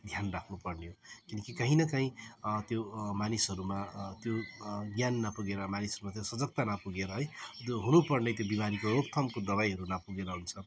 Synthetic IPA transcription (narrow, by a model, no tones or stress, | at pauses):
d̪ʱjanrakʰnupʌrnejokinʌkikʌɦĩnʌkaĩt̪jomanisʌɾumat̪joɡjanːapuɡeɾʌmanisʌɾumat̪josʌd͡zʌk̚t̪anapuɡeɾʌɦʌjoɦunupʌrnet̪jobimanikorokt̪ʰʌmkod̪ʌβajɦʌɾunapuɡeɾʌɦunt͡sʰʌ